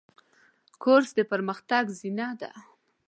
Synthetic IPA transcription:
kʰoɾsd̪əpəɾməxt̪aɡzinɑd̪a̰

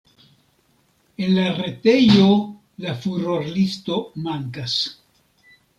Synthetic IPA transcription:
e̞nlaɾe̞te̞jo̞ | lafuɾo̞ɾlisto̞maŋkas

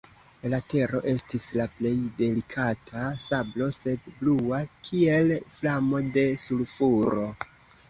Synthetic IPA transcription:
late̞ɾo̞̰ʔe̞stislaple̞jde̞likʰatʰasablo̞se̞dbluakʰie̞lflamo̞de̞sulfuɾo̞

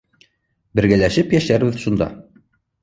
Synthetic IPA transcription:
bɘ̆ɾɡælæʃɘpjæʃæɾbɘðʃund̪ɑ̰

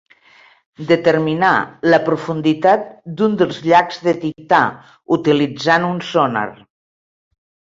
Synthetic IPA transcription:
d̪ət̪əɾmina̰ləpɾufund̪it̪at̪̚d̪und̪əlˠzʎakz̥ðət̪ik̚t̪a | ut̪ilid͡zanunsona̰r

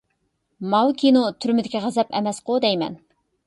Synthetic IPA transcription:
mɑwkʲʰinot̪ʰyɾmɪd̪ɪkʲiʁæzɛpɛ̰mɛsqod̪ɛjmɛ̰n

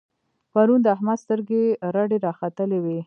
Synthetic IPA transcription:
paɾund̪əaɦmad̪st̪əɾɡeɾaɖeɾɑxat̪əlewe

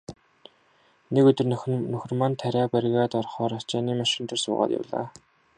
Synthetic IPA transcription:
nekɵt̪ɵ̆rnɵx̆ʲrmant̪ʰːæɾʲæːpæɾɣaːt̪ɔrχɔːɾḁt͡ɕaːniːmaʃɪ̆nt̪ɔ̆rsʊ̰ːʁa̰ːt̪ja̰wɮa̰ː

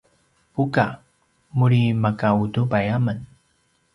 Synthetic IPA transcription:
puka | muɭimakaudubajamən

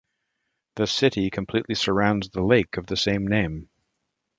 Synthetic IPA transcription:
ðɨsɪɾikʰɨ̃m̩pʰl̥iʔˡlisə˞ãʊ̃ndzðəleɪkʌvðɨsẽɪ̃mnẽɪ̃m

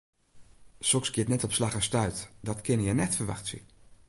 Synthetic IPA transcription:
sɔksɡjɪətnɛtɔpslaxəstœɥtdɔtkʰɪnəjɛnɛtfərʋa̰xtsə̰

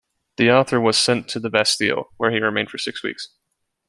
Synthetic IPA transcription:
ðiɔθə˞wʌz̥sɛ̃ntʰɨðɨbɛsḭlˠwə˞iɹɨmẽɪ̃d̥fə˞sɪkswḭks

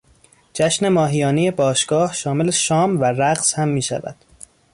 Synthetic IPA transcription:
d͡ʒæʃne̞mɒːɦijɒːneje̞bɒːʃɡ̥ɒːhʃɒːme̞leʃɒːmværæɢshæmːiːʃæ̰væ̰d̪̥

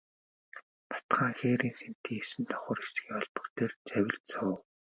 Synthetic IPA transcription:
t̪ʰḁt̪χaːŋxeːɾiːnsem̥t̪ʰiːŋesɘ̆nt̪ʰɔ̥χə̆rest͡sɡiːɔɮpɞ̥̆kt̪eːrt͡sæwʲɪ̆ɮt͡sʰʊː

